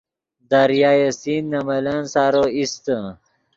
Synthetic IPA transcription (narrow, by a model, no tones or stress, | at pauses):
d̪aɾjaːjesinːɐmɐlansaːɾoist̪ə